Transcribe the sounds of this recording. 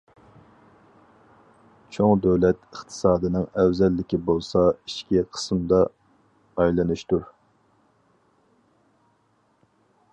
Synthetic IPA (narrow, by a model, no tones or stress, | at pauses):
t͡ʃʰoŋd̪øwlɛt̪ɨχt̪ʰɨ̥sɑːd̪ɨnɨŋɛwzɛlːɪkʲibolˠsɑiʃkʲiqʰə̥smd̪ɑː | jlˠɨnuʃt̪uɾ